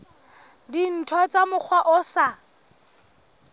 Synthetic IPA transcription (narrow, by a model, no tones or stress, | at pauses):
din̩tʰɔt͡samʊk͡xʰwaʔʊsa